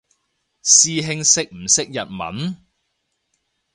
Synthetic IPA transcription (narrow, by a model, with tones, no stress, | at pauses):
siː˨˧ɦɪ˧ŋsɪ˨k̚m̩˨˩sɪ˥k̚jɐ̰˨t̚mɐ̰˨˥n